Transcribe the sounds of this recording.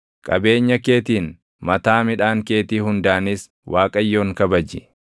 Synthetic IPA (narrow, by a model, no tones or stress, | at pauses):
kʼɐbe̞ːɲːɐke̞ːt̪iːn | mɐt̪aːmɪᶑaːŋke̞ːt̪iːhʊnd̪aːnɪs | wʔaːkʼɐjːo̞ːŋkɐbɐd͡ʒɪ